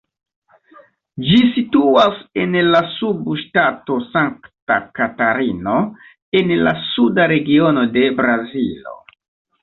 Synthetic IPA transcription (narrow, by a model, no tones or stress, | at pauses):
d͡ʒisituase̞nlasubʃtato̞saŋkta̰kataɾino̞ | e̞nla̰sudaɾe̞ɡio̞no̞de̞bɾazilo̞̰